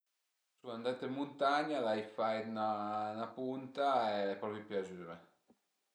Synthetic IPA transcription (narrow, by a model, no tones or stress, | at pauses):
suand̪at̪emːunt̪aɲalajfajt̪nanapunt̪aɛpɾɔpipjad͡ʒyːɾe